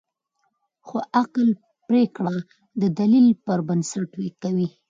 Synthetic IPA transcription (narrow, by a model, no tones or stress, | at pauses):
xoʔaql | pɾekɽa | d̪əd̪alilpəɾbənsaʈwekawi